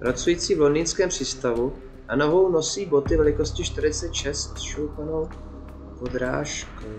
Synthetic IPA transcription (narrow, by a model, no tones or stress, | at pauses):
pɾat͡sujiːt͡siːvlo̞nd̪ɪnskɛːmpr̝̥iːst̪avu | ʔano̞vo̞wno̞siːbo̞t̪ɪvɛlɪko̞scɪʃt̪ɪɾɪt͡sɛt̪ʃɛst̪sʃowt̪ano̞w | po̞d̪ɾa̰ːʃkow